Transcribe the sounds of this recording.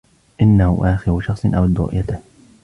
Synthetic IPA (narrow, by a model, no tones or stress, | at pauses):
ʔɪnːahʊ̰ʔaːxɪɾʊʃɑxsˤɨnʔawad̪ɾʊ̰ʔjat̪ɪ